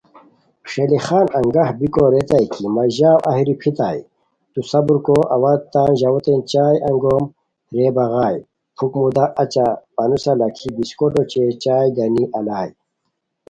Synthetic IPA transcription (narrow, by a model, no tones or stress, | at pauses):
ʂelixaːnɐŋɡahbikoɾet̪ajkimɐʑaːwʔɐ̰ɦiɾipʰit̪aːi | t̪usɐbuɾkoʔɐ̰wad̪̚t̪aːnʑawot̪ent͡ɕaːjʔɐŋɡoːm | ɾeːbɐɣaːj | pʰukmud̪aʔɐt͡ɕapɐnusalɐkʰibiskoʈot͡ɕet͡ɕaːjd̪ɐniʔɐlaːj